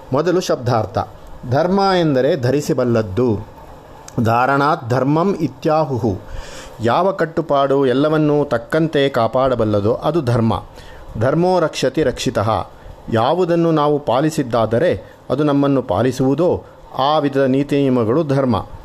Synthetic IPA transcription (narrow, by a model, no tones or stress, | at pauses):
mɔd̪ɐluʃɐb̚d̪ʱaːɾt̪ɐ̰ | d̪ʱɐɾmaːend̪ɐɾe̞d̪ʱɐɾisibɐlːɐd̪ːu | d̪ʱaːɾɐɳaːt̪̚d̪ʱɐɾmɐmit̪jaːɦuɦujaːʋɐkɐʈːupaːɽuɛlːɐʋɐnːut̪ɐkːɐnt̪e̞kaːpaːɽɐbɐlːɐd̪oʔɐd̪ud̪ʱɐɾmɐ̰ | d̪ʱɐɾmoːɾɐkʂɐt̪iɾɐkʂit̪ɐɦɐ̰ | jaːʋud̪ɐnːunaːʋupaːlisid̪ːaːd̪ɐɾe̞ | ɐd̪unɐmːɐnːupa̰ːlisuʋud̪oː | aːʋid̪ʱɐd̪ɐniːt̪iniːmɐɡɐɭud̪ʱɐɾmɐ̰